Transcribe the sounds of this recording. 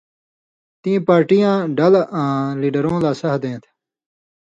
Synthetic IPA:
t̪ĩːpaːɾʈijãːɖɐlãːliːɖəɾõːlaːsɐɦd̪ẽːt̪ʰ

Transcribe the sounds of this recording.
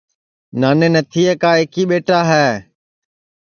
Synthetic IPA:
naːneːnət̪ʰiːeːkaːɪkiːɓeːʈaːɦɛː

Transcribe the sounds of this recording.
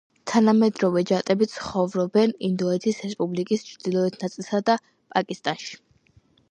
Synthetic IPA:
t̪ʰanamɛd̪ɾɔvɛd͡ʒat̪ʼɛbit̪sʰχɔvɾɔbɛnind̪ɔɛt̪ʰisɾɛspʼublikʼist͡ʃʰɾd̪ilˠɔɛt̪ʰnat̪sʼilˠsad̪a | pʼakʼist̪ʼanʃi̥

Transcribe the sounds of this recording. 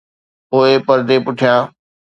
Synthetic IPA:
oepɐɾd̪epʊʈʰijãː

